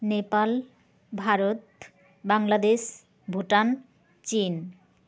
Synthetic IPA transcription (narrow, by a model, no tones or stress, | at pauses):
nepal | bʱaɾot̪ | baŋlad̪eʃ | bʱuʈan | t͡ɕin